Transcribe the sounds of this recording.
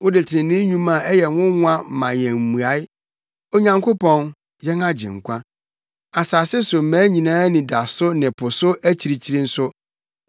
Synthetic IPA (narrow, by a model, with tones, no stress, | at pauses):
wʊ˦dɪ˨tʰɪ˨ɪ̃˨nɪ̃˦ɲũ˦mã˨ɛ˦jɛ˨wʊ̃˦ŋʊ̃˦ã˦m̩˨mã˨jɛ̃˨m̩˨mu˨a˨˦ɪ˦ | o˦ɲã˨ŋkʰo˦pʰɔ̃˨n | jɛ˦ŋã˦d͡ʑɪ̰̃˨ŋ̩˨kʷʰã˦ | a˨saː˨sɛ˦sʊ˨m̩˨mæ̃ː˨˦ɲĩ˨nãː˦nɪ̃˨da˨sʊ˦nɪ̃˨pʰʊ˨sʊ˦æ˦t͡ɕʰi˨ɾi˨t͡ɕʰi˦ɾi˦n̩˦sʊ˦